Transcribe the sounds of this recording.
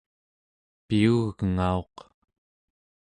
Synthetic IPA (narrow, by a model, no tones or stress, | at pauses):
piuɣɣəŋao̞q